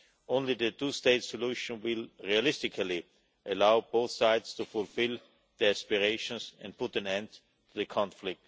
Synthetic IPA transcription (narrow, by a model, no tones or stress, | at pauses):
ʔõʊ̃nliðətʰuːsteɪtsɔluʃə̃nwɪlɹialɪstɪkʰali | ʔəlaʊboʊθsaɪdstʰufʊlfɪlˠ | ðə˞æspiɹeɪʃə̃nsɛ̰̃nd̚pʰʊtɨ̃nɛ̃nd | tʰuðəkʰɔ̃nflɪk̚t